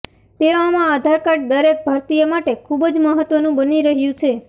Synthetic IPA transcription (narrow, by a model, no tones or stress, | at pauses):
t̪eamãad̪ʱaɾkəʈ̚d̪əɾek̚bʱaɾt̪ijəmaʈekʰubd͡ʒməɦət̪ʋənũbəniɾəɦjũt͡ʃʰe